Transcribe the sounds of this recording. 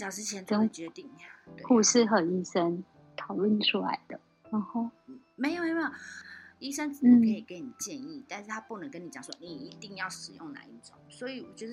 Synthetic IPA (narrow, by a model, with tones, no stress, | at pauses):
ɕɑ˨˩ʊʈ͡ʂɻ̩˥t͡ɕʰjɛ˧˦nə˥˩t͡ɕɥɛ˧ə˧t̪i˥˩ŋ˨˩˨t̪e˧ku˥˧ʂɻ̩˥˩xə˨˩ni˥˩ʂə˦˥n | t̪ʰɑ˨˩ʊlwə˥˨nʈ͡ʂʰu˥la̰˧˦ɪd̪̥ə˦˩ | na˨˧˦xo˥˩ʊ˥˩me˧˥ɪjo˨˩m˧˥a˥˩i˥ʂə˥˦nt͡s̩˨˩˧kʰə˧˥i˨˩ke˧˥ɪni˨˩t͡ɕjɛ˥˧ni˥˩t̪a˥˧nʂɻ̩˥˩t̪ʰa˥pu˥˩nə˧˦ŋkə˥nːi˨˩t͡ɕɑ˨˩ŋswɔ̰˥ni˨˩i˧˥t̪i˥˧ŋjɑ˥˩ʊʂɻ̩˨˩jʊ̰˥˩ŋna̰˨˧˦i˥˩t͡so̰˨˦swɔ˧˥i˨˧˩wɔ˨˩t͡ɕɔ˥˧ʂ